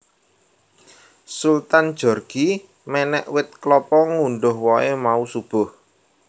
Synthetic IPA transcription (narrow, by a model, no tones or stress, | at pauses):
sult̪and̥ʒ̥ɔ̤rɡ̥i | mɛnɛʔwɪt̪̚klɔpɔŋunɖʊhwɔemausub̥ʊ̤h